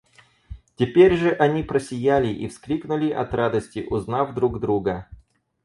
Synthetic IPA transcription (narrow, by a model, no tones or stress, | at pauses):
tʲɪpʲeɾʲʐɨʔɐnʲipɾəsʲɪjælʲɪʔḭfsklʲiknʊlʲɪʔɐt̪rad̪əsʲtʲɪʔʊznafd̪ɾuɡd̪ɾuɡə